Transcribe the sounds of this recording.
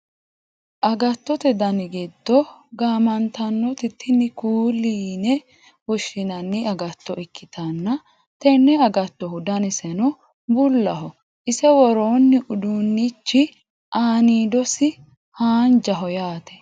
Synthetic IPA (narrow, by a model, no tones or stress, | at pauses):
ʔɐɡɐt̪ːɔt̪ɛd̪ɐnɪɡɛd̪ːɔɡaːmɐnt̪ɐnːɔt̪ɪt̪ʰːɪnːɪkuːliːnɛ | wɔʃːɪnɐnːɪɐɡɐt̪ːɔʔɪkʰːɪt̪ʰɐnːɐ | t̪ɛnːɛɐɡɐt̪ːɔhʊd̪ɐnɪsɛnɔ | bʊlːɐɦɔ | ʔɪsɛwɔɾoːnːɪʔʊd̪unːit͡ʃːɪ | ʔaːniːd̪ɔsɪ | haːnd͡ʒɐɦɔjaːt̪ɛ̥